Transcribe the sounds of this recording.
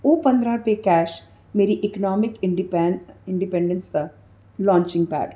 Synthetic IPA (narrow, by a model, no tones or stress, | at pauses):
uːpɐ̃nd̪ɾãpekɛːʃ | meːɾiʔɪknɔːmɪkɪɖpːɪ̃ɳɖɪpẽːɳɖə̃nsa | lɔ̃ːɲt͡ʃɪ̃ŋɡ̚pɛ̰ːɖ